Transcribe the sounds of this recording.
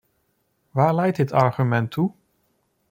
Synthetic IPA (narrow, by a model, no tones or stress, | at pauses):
ʋaːɹlɛjt̚ɦɪtɑɹχymɛntʰːu